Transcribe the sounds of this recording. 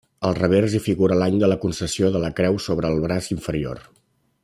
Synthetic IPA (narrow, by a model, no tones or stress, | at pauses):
əlˠrəβ̞ɛɾzifiɣuɾəlaɲd̪ələkunsəsioðələkɾɛwsoβɾəːlˠβɾaziɱfəɾio̰r